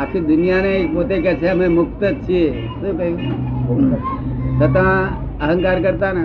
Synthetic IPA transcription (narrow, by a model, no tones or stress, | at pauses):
akʰid̪ʊnijanepot̪ekɛːt͡ʃʰeɦɐmẽmʊk̚t̪ət͡ʃʰie | sekɐɦjũ | sɐt̪ã | əɦə̃ŋkaːɾkəɾt̪ana